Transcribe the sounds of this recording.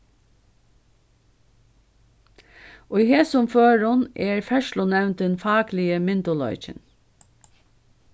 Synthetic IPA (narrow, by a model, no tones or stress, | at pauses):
ɔiheːsʊmføːɹʊnɛɹfœʃlʊnɛʋnt̪ɛnfɑːklɪəmɪnd̪ʊlɔ̰ʏt͡ʃə̰n